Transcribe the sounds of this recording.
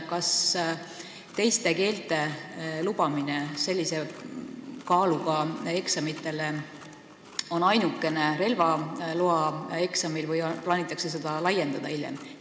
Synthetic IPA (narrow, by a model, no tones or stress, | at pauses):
kɑs | t̪e̞jst̪e̞ke̞ːlt̪ˑe̞lub̥ɑminese̞lʲːise̞ | kɑːluɡ̥ɑe̞ksɑmit̪ːˑe̞le | onɑjnukːˑe̞ne̞ɾe̞lvɑloɑe̞ksɑmilvɯjplɑːnit̪ːˑɑkses̬e̞d̪ɑlɑje̞nd̪ɑd̪̥ɑilʲjḛm